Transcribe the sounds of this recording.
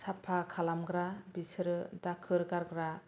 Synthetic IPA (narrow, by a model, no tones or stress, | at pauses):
sapʰːakʰalamɡɾabisɾdakʰɯɾɡaɾɡɾa